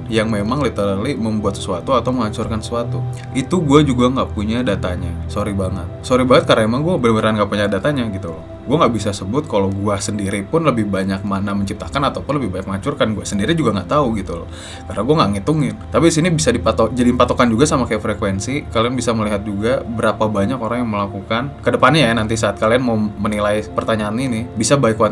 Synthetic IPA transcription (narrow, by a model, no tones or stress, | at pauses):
jaŋmemaŋlit̪əɾəliməmbuat̪sə̥suat̪uat̪auməŋat͡ʃurkansə̥suat̪u | it̪uɡuad͡ʒuɡaŋɡaʔpuɲadat̪aɲasoɾibaŋə̰t̪̚soɾibaŋət̪̚kaɾnaemaŋɡuabənəməɾanŋɡaʔpuɲadat̪aɲaɡit̪ulɔ | ɡuaŋɡaʔbisasəbʊt̪̚kalawɡuasəndiɾipʊnləbɪhbaɲak̚manaməɲt͡ʃip̚t̪akanat̪awpʊnləbɪhbaɲak̚məŋat͡ʃurkanɡuasəndiɾid͡ʒuɡaŋɡaʔt̪auɡit̪ulɔ̰ | karnaɡuaŋaʔŋit̪uŋɪnt̪apiisinibisadipat̪ɔd͡ʒadipat̪okand͡ʒuɡasamakajaʔfɾekwɛnsikalianbisaməliɦat̪̚d͡ʒuɡabəɾapabaɲakoɾaŋjaŋməlakukankədəpanɲanant̪̬isaːt̪̚kalianmaumənilajpərt̪aɲaːninɪbisabaɪkua